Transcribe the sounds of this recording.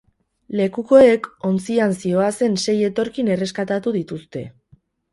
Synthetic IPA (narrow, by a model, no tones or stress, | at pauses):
le̞kuko̞eko̞nt͡siansio̞ase̞nse̞je̞t̪o̞ɾkine̞re̞skat̪at̪uðit̪ust̪e̞